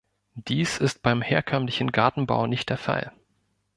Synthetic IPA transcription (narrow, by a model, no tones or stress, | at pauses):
d̥iːsɪst̚b̥aɪmheːɐkʰœmlɪçn̩ɡaɐtn̩ba̰ʊnɪçtd̥eːɐfa̰l